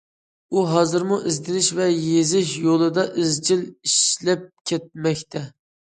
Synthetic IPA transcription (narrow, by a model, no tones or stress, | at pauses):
uɦɑzɨɾmuʔizd̪ɪnɪʃvɛjezɪʃjolˠɨd̪ɑʔɪzd͡ʒiliʃlɛp̚kʲʰɛt̪̚mɛkʲt̪ʰɛ